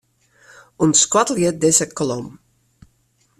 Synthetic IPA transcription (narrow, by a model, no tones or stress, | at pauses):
unskwatljət̚dɪzəkɔlɔm